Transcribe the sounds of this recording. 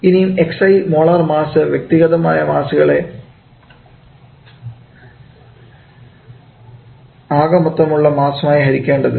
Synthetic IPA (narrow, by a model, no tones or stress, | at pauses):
inijume̞ksɐjmo̞ːɭɐrmaːsɨʋjek̚t̪iɣɐðɐmaːjɐmaːsuɣɐɭe̞ | aːɣɐmut̪ːɐmuɭːɐmaːsɐmaːjiɦɐɾikʲːe̞ːɳɖɐðɨ